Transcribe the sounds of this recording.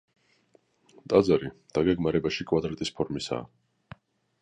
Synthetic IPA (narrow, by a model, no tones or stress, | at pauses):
t̪ʼad̪zaɾid̪̥aɡɛɡmaɾɛbaʃikʼwad̪ɾat̪ʼispʰɔɾmisa̰ː